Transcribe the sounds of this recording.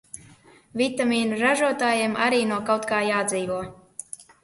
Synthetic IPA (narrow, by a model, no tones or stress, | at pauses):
vʲit̪amʲiːnuɾaʒuɔt̪aːjeːma̰ɾiːnuɔkawt̪kaːjaːd̪ziːvuɔ